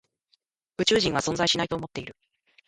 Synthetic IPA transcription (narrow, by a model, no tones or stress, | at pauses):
ɯ̟t͡ɕɨːʑĩɰ̃β̞asõ̞ñzaiɕinait̪o̞ːmo̞t̪ːe̞iɾɯ̟